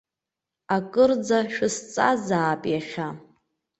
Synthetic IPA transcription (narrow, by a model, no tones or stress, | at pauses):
akʼɨrd͡zaʃᶣʊst͡sʼazaːpʼjaχʲa